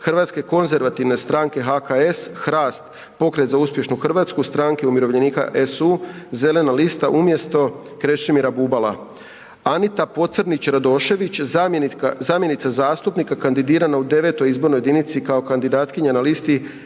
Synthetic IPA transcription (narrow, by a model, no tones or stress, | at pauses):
xr̩ʋaːt̪ske̞ko̞nze̞ɾʋat̪iʋne̞st̪ɾaːŋke̞ɦakaesxɾaːst̪̚ | po̞kɾe̞t̪zauspje̞ʃnuxr̩ʋaːt̪skust̪ɾaːŋkeumiɾo̞ʋʎe̞niːka̰ʔesuze̞le̞nalist̪aʔumje̞st̪o̞ | kɾeʃimiɾabubala̰ | anit̪apo̞t̪sɾnit͡ɕɾad̪o̞ʃe̞ʋit͡ɕ | zamje̞nit̪sazaːst̪upnikakand̪id̪iːɾanaud̪e̞ʋe̞t̪o̞jizbo̞ɾnojed̪init̪sikao̞kand̪id̪aːt̪kiɲanalist̪i